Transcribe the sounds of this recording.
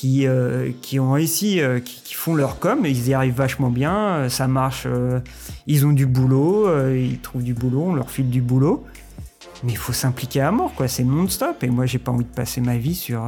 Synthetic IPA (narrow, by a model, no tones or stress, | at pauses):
kʲiøkʲʰiɔ̃ʁeysiøkʲi̥kʲi̥fɔ̃lœʁkɔmilzjaʁivːaʃmɑ̃bjɛ̃øsamaʁʃø | ilzɔ̃d̪ybuloøilt̪χuvd̪ybuloɔ̃lœ̰ʁfild̪ybulo | mɛilfosɛ̃plikʲeamɔʁkwasɛnɔ̃d̪st̪ɔpemwaʒepaɑ̃vid̪əpasemavisyʁ